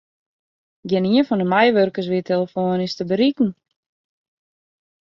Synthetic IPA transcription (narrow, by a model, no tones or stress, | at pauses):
ɡjɛniənfɔndəmajʋørkəs̬ʋiətʰeləfoːnɪstəbəɾikn̩